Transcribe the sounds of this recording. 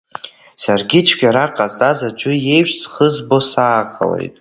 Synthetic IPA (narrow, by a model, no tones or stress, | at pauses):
sarɡʲɪt͡ʃʰɡʲaɾaqʼazʼazad͡ʒʷʊje̞jʃʷᶣsχəzbo̞saːʁʼa̰lḛjtʼ